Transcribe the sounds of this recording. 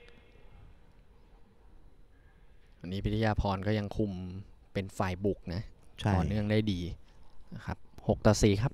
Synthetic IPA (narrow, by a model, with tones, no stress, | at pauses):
wa˧nːiː˦˥pʰi˦˥t̪ʰːjaː˧pʰɔː˧nkɔː˥˩ja˧ŋkʰu˧mpe˧nfaː˨˩jbu˨˩k̚na˦˥ʔɔː˨˩nɯ˥˩əŋdaː˥˩jdiː˧n˥˩kʰa˦˥p̚ho˨˩k̚t̪ɔː˨˩siː˨˩kʰa˦˥p̚